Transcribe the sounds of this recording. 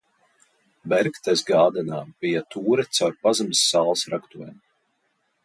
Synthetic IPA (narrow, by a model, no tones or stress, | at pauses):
bɛɾkt̪ɛzɡaːd̪ɛnaːb̥ijat̪uːɾɛt̪sawɾpazamsːaːlˠsɾakt̪uɔjɛm